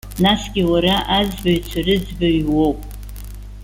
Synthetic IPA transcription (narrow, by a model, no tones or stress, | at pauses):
nasɡʲiwaɾaʔazbaɥt͡ʃʷʰarɨd͡zbaɥwo̞wpʼ